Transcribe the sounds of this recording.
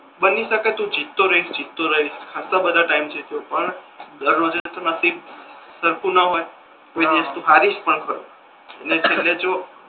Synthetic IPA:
bəniʃəkat̪ũd͡ʒit̪ːoɾəɦiʃd͡ʒit̪ːoɾəɦiʃkʰasabəd̪ʱaʈaimt͡ʃʰet̪eopəɳ | d̪əɾnod͡ʒəet̪ʰəmasisəɾkunəɦoj | koid̪aʃt̪ũɦaɾiʃpəɳkʰəɾo̰ | ənet͡ʃʰelːed͡ʒo

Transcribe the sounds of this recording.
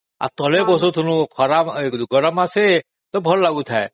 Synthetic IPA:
a̰t̪ɔlebɔsɔt̪ʰunukʰɔɾabd̪uɡɔɾamase | t̪ɔbʱɔllaɡut̪ʰae

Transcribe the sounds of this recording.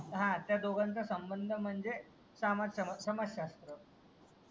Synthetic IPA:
ɦãt̪jad̪oɡant͡səsəmbənd̪ʱəm̤əɳd͡ze | samad͡z̪səməɕɕast̪ɾə

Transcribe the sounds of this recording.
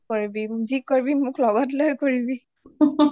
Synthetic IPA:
koɹibizikoɹibimʊklɔɡɔtlojkoɹibi

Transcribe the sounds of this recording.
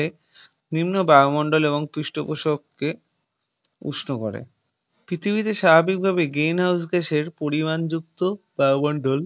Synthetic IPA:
e | nimnobaomɔɳɖoleβoŋpɾiʃʈopoʃokːe | ṵʃnoko̰ɾḛ | pɾit̪ʰibit̪eʃabʱabik̚bʱabeɡɾinɦaws̬ɡeʃeɾpoɾimand͡ʑuk̚t̪obaomɔɳɖol

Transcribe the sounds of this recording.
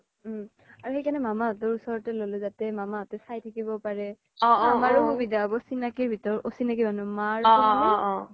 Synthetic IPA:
aɹuxejkʰanɛmamaɔtɔɹusɔɹɔtɛlolɛzatɛmamaɔtɛsajtʰakibɔpaɹɛ | ɔ̃amaɹʊhubidabɔsinakiɹbʱitɔɹɔʔosinakimanumaɹ

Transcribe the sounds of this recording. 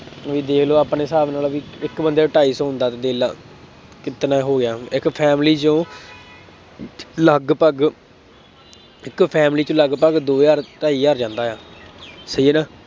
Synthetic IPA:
ʋiːd̪eːkʰloːaːpneːsaːbnaːlaʋiːɪkbənd̪eːʈaːiːsõːɦʊnd̪aːt̪eːd̪eːla̰ː | kɪt̪nãːɦoːɡɪjaːɪkpʰɛːmliːt͡ʃõː | ləɡpəɡ | ɪkpʰɛːmliːt͡ʃõːləɡpəɡd̪oːjaːɾʈaːiːjaːɾd͡ʒãːnd̪aːjaːsəiːeːnaː

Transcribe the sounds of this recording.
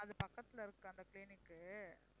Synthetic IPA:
ɐðɯpɐkːɐt̪ːɪlɪɾɯkːɯɐnd̪ɐkɪliːnɪkːɯ

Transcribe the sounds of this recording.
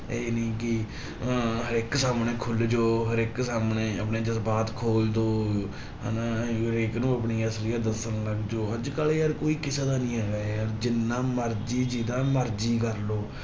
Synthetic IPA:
eːnĩːkɪ | ɦəɾɪksaːmneːkʰʊld͡ʒoːɦəɾɪksaːmneːəpneːd͡ʒ̪əsbaːt̪kʰoːld̪oː | ɦnãːɾeːknũːəpniːəsɾijaːd̪əsənləɡd͡ʒoːɦəd͡ʒkəleːəɾkoːiːkɪsaːd̪aːnĩːɦɛːɡaːeəɾd͡ʒɪnːãːməɾd͡ʒiːd͡ʒid̪ãːməɾd͡ʒiːkəɾloː

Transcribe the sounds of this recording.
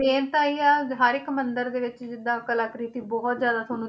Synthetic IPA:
eːnt̪aːiːaːɦəɾɪkmənd̪əɾd̪eːʋɪt͡ʃd͡ʒɪd̪ːãːkəlaːkɾiːt̪iːbɔɦɔt̪zjaːd̪aːt̪ʰoːnũ

